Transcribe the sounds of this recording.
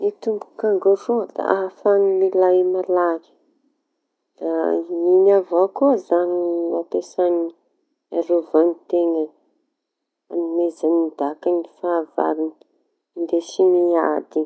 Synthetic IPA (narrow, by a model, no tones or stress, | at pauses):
it̪umbukaŋɡoɾuəd̪a̰aɦfanimilajmalaɾi̥ | d̪ainavokuazanilapesani | aɾuvanit̪eŋə | animezanid̪akanifaːva̰ɾini | nd̪esiniad̪i